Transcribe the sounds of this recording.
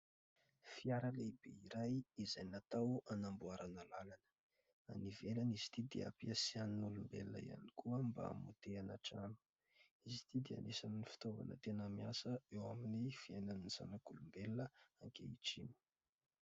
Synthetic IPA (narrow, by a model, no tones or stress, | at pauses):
fiaɾalebeiɾajizajnat̪awanambuaɾanalalanə̥ | a̰nivelaniz̥i̥t̪id̪ḛa̰piasianinulumbḛlinə̰ḭa̰nikuəmba̰mut̪eanaʈ͡ʂanu̥ | izit̪id̪ea̰nesannifi̥t̪ova̰nə̰t̪enamiasəewaminifiajnaniz̥a̰nakulumbelnəaŋkḛiʈ͡ʂini̥